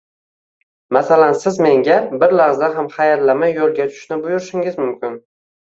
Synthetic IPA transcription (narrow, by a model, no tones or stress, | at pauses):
masalansɪzme̞ŋɡʲabɪɾlaʁzaɦamχajaɾlamajːolˠɡʲat̪ʰʊ̥ʃnɪbʊjʊɾɪʃɪŋɪzmʊmkʲɪn